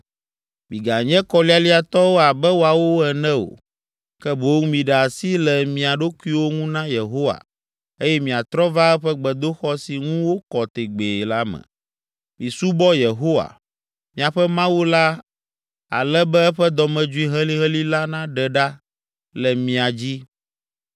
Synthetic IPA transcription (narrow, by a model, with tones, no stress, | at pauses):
mĩ˨ɡa˨ɲɛ̃˦kɔ˨li˦a˦li˦a˨t̪ɔ˦wo˦a˨bɛ˦wo˨a˨wo˦ɛ˨nɛ̃˦o̰˨ | kɛ˦bo˦ũ˦mĩ˨ɖɛ˨a˨si˦lɛ˨mĩ˨a˨ɖo˦ku˦i˦wo˦ŋũ˦nã˦je˨ɦo˦wa̰˨ | e˦jɛ˦mĩ˨a˨t̪ɾɔ˦va˦ɛ˦ɸɛ˦ɡ͡bɛ˨d̪o˦xɔ˦si˨ŋũ˦wo˦kɔ˨t̪e˨ɡ͡be˨la˦mɛ̰̃˨ | mĩ˨su˦bɔ˦je˨ɦo˦wa̰˨ | mĩ˨a˨ɸɛ˦mã˦wu˦la˦ | a̰˨lɛ˦bɛ˦ɛ˦ɸɛ˦d̪ɔ˨mɛ̃˨d͡ʒu˦i˦ɦɛ˦li˦ɦɛ̃˦li˦la˦nã˦ɖɛ˨ɖa˦ | lɛ˨mĩ˨a˨d͡ʑi˦